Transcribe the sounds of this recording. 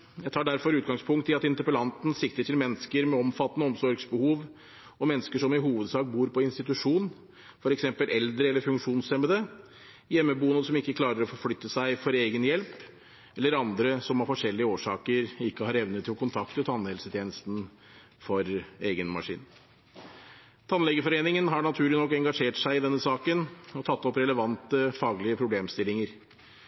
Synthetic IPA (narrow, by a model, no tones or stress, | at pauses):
jæɪt̪ʰɑːɖæɾfɔɾʉːt̪̚ɡɑŋspʰʊŋkt̪ʰːɪɑt̪ɪnt̪əpəlɑnt̪n̩sɪkt̪əʈʰɪlmɛnːəskəɾmɛɔmfɑt̪ːənəɔmsɔɾɡsbəhuːʋ | ɔmɛnːəskəʂɔmɪɦuːʋəd̪sɑːk̚buːɾpɔɪnst̪ɪt̪ʉʂuːn | fɔɾɛksɛmpəlʔɛld̪ɾəɛlːəɾfʉŋkʂuːnsɛməd̪ə | jɛmːəbuːənəsɔmɪkːəkʰlɑːɾəɾɔfɔɾflʏt̪ːəsæɪfɔɾeːɡənjɛlp | ɛlːəɾɑnd̪ɾəsɔmhɑɾfɔʂɛlːɪəoːʂɑːkəɾɪkːəhɑːɾɛʋnət̪ʰːɪlkʰʊnt̪ʰɑkt̪ət̪ʰɑnːhɛlsət̪ʰjeːnəst̪n̩ | fɔɾeːɡənmɑ̰ʂḭːn | t̪ʰɑnlɛɡəfɔɾeːnɪŋənɦɑɳɑt̪ʰʉːlɪnɔkːɛŋɡɑʂeːʈsæɪɪd̪ɛnːəsɑːkənɔt̪ʰɑt̪ːɔpɾɛləʋɑnt̪əfɑːɡlɪəpʰɾʊbleːmst̪ɪlːɪŋəɾ